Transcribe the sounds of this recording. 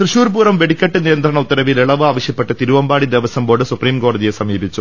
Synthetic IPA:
t̪rɨɕuːɾbuːrɐmʋe̞ɽikʲːɐʈːɨnijɐnd̪ɾɐɳɐut̪ːɐɾɐʋileɭɐʋɨaːʋɐɕjɐpːeʈːɐt̪iɾuʋɐmbaːɽid̪eʋɐsɐmbo̞ːɽɨsupriːmko̞ːɽɐðijesɐmiːbʱit͡ɕːu

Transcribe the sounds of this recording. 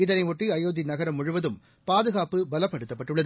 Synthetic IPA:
ɪðɐnɐɪʋɔʈriɐjoːðinɐɣɐɾɐmːʊɻʊʋɐðɯm | paːðɯɣaːpɯbɐlɐpːɐɽɯt̪ːɐpːɐʈːɯɭːɐðɯ

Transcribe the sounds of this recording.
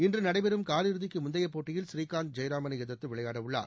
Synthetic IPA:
ɪndrɯnɐɽɐɪbɛɾɯmkaːlɪɾɯðɪkːɯmʊnd̪ɐjɐpːoːʈːɪjɪlsɾiːkaːnd̪̚d͡ʒɐjɾaːmɐnɐjɪðɐt̪ːɯʋɪɭɐjaːɽɐʋɯɭːa̰ːɾ

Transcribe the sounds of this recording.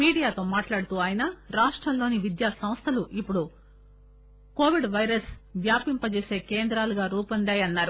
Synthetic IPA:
miːɽijaːt̪o̞ːmaːʈlaːɽut̪uːaːjinɐɾaːʂʈɾɐmlo̞ːniʋid̪jaːsɐmst̪ʰɐluʔipːuɽu | ko̞ːʋiɖʋɐjɾɐsʋjaːpimpɐt͡ʃeːse̞ːkeːnd̪ɾaːluɡaːɾuːpɐnd̪aːjɐnːaːɾu

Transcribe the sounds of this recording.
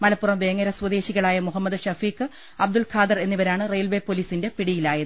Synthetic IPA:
mɐlɐpːurɐmʋe̞ːŋːɐɾɐswɐd̪e̞ːɕiɣɐɭaːjɐmuɦɐmːɐd̪ɨɕɐfiːkːɨ | ɐb̚d̪ulkʰaːd̪ɐre̞nːiʋɐɾaːɳɨrejlʋe̞ːpːoliːsinde̞piɽijilaːjɐðɨ

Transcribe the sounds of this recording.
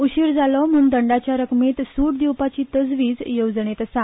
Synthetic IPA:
uɕiːɾd͡zalɔm̤uːnd̪əɳɖat͡ɕjaɾəkmet̪suːʈd̪iwpat͡ɕiːt̪əd͡zʋiːd͡zjod͡zɳet̪sã

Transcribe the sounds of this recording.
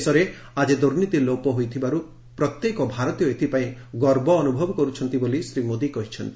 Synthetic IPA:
sɔɾe | ad͡ʒed̪uɾnit̪ilopɔɦojt̪ʰibaɾu | pɾɔt̪jekɔbʱaɾɔt̪jɔet̪ʰipaĩɡɔɾbɔːnubʱɔbɔkɔɾut͡ʃʰɔnt̪ibolisɾimod̪ikɔɦit͡ʃʰɔnt̪i

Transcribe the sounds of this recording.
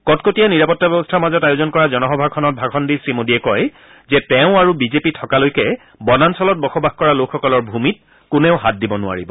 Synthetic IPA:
kɔtkotijaniɹapɔtːabɛbɔstʰaɹmazɔtajʊzɔnkɔɹazɔnɔɦɔbʱakʰːɔnɔt̚bʱakʰɔndisɹimodiɛkɔj | zɛtɛʊ̃aɹubizepitʰɔkalojkɛ | bɔnansɔlɔt̚bɔxɔbaxkɔɹalokxːɔkɔlɔɹbʱumit̚ | kʊnɛʊɦat̚dibɔnʊa̰ɹibɔ

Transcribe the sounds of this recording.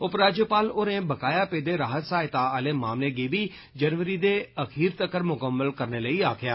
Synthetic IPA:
ʊpɾaːd͡ʒjəpaːloːɾẽːbəkaːjaːpeːd̪eːɾaːɦət̪saːɪt̪aːəleːmaːmleːɡeːbiː | d͡ʒənʋəɾiːd̪eːəxʰiːɾt̪əkəɾmʊkəmːəlkəɾneːləiːaːkʰɪjaː

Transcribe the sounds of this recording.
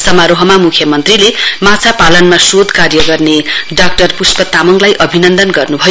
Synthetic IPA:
sʌmaɾoɦʌmamukʰjʌmʌnt̪rilemat͡sʰapalʌnmasod̪ʱkarjʌɡʌrneɖak̚ʈʌrpuspʌt̪amʌŋlajʔʌbʱinʌnd̪ʌnɡʌrnubʱʌj

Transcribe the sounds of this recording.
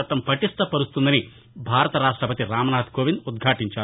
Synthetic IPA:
ɐt̪ːɐmpɐʈist̪ɐpɐɾust̪und̪ɐni | bʱaːɾɐt̪ɐɾaːʂʈɾɐpɐt̪iɾaːmɐnaːɐt̪koːʋinud̪̚ɡʱaːʈiɲt͡ʃaː

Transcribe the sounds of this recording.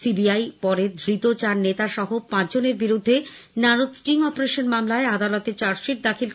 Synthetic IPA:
sibiajpɔɾed̪ʱɾit̪ot͡ɕaɾnet̪aʃɔɦopãt͡ɕd͡ʑoneɾbiɾud̪ʱːenaɾod̪sʈiŋɔpoɾeʃonmamlaead̪alot̪et͡ɕaɾʃiʈ̚d̪akʰil

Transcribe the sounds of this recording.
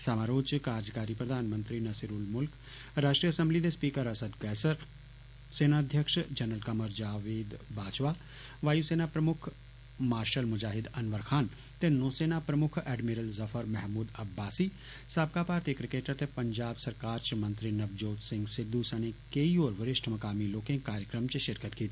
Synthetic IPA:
samaɾoːt͡ʃkaːɾd͡ʒkaːɾipɾəd̪ʱaːnmə̃nt̪ɾinɐsiɾuːlmʊlk | ɾaːʃʈɾijəɐsə̃mblid̪espiːkəɾɐsəd̪kɛːsəɾ | seːnad̪ʱjəkʃd͡ʒɐnəlkɐməɾd͡ʒaːʋeːd̪baːt͡ʃʋaː | ʋaːjuseːnapɾɐmʊkʰ | maːɾʃəlmʊd͡ʒaːɦɪd̪ɐnʋəɾkʰaːn | t̪enoːseːnapɾɐmʊkʰɛːɖmiɾəlzɐfʰəɾmɛɦmuːd̪ɐbːaːsiː | saːb̚kapaːɾt̪ikɾɪkeːʈət̪epɐɲd͡ʒaːbsɐɾkaːɾt͡ʃmɐ̃nt̪ɾinɐʋd͡ʒoːt̪sɪ̃ŋɡsɪd̪ːusanekeioːɾʋɪɾɪʃʈʰmɐkaːmiloːkɪ̃ɡkaːɾjəkɾəmt͡ʃʃɪɾkət̪kiːt̪ʰi

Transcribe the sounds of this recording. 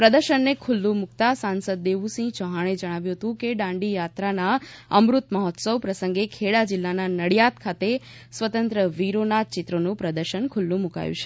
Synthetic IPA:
pɾəd̪əɾʃənːekʰulːũmukt̪asansəd̪̚ːeʋusĩt͡ʃɔɦaɽ̃ed͡ʒəɽ̃aʋjũɦət̪ũkeɖãɳɖijat̪ɾanaəmɾut̪məɦɔt̪səwpɾəsə̃ŋɡekʰeɽad͡ʒɪlːananəɽjat̪kʰat̪e | sʋət̪ə̃nt̪ɾəʋiɾonat͡ʃɪt̪ɾənũpɾəd̪əɾʃənkʰʊlːũmuka̰jṵ̃t͡ʃʰe̥

